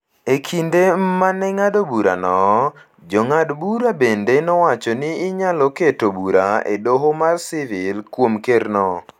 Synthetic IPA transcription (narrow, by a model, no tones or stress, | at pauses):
ekʰindemanɛŋadobuɾa̰nɔ | d͡ʒɔŋadbuɾabendenɔwat͡ʃɔnɪːɲalɔketobuɾaḛdoɦomarsɪvɪlkwomkernɔ